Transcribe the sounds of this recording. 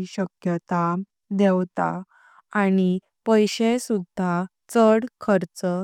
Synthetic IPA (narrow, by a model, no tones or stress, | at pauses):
iɕəkjət̪a | d̪ɛwt̪a̰ | ani | pəjɕesud̪ʱːa | t͡səɽkʰəɾt͡sə